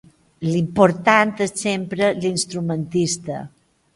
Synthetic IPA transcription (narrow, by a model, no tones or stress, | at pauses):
limpoɾt̪ant̪essempɾəlinst̪ɾumənt̪ist̪ə̰